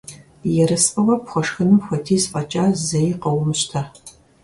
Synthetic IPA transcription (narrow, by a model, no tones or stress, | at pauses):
jɛɾɨsqɐwɐpxʷɔʂxɨnɨmxʷɐtʰiːspʼɐt͡ʃʼaːzɐjqɐwʊmɕtʰa